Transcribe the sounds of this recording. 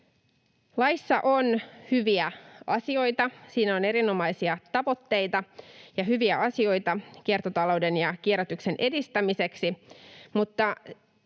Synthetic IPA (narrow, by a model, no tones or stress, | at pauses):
lɑjsːɑʔonhyʋiæɑsio̞jt̪ɑsiːnæo̞ne̞ɾino̞mɑisiɑt̪ɑʋo̞t̪ːe̞jt̪ɑjɑɦyʋiæʔɑsio̞jt̪ɑkiert̪ot̪ɑlowde̞njɑkieɾæt̪ykse̞nʔe̞dist̪æmise̞ksimut̪ːɑ